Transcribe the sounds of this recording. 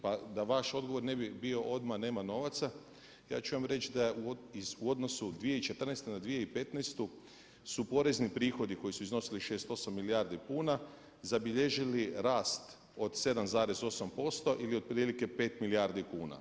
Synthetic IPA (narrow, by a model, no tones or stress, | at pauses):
pad̪aʋaʃo̞d̪ɡo̞ʋo̞ɾnebibio̞ʔo̞d̪mane̞ːmano̞ːʋat̪sa | ja̰ːt͡ʃuʋamɾe̞t͡ʃd̪auizuod̪no̞sud̪ʋije̞it͡ʃe̞t̪r̩nest̪enad̪ʋije̞ipe̞t̪nest̪u | supo̞ɾe̞znipɾiːxo̞d̪iko̞jisuizno̞siliʃe̞ːst̪o̞samːiliaːɾd̪ipuːna | zabiʎeʒiliɾaːst̪ | o̞d̪se̞d̪amzaːɾe̞zo̞sampo̞st̪o̞ʔilio̞d̪̚pɾiːlike̞pe̞ːt̪miliaɾd̪ikuːna̰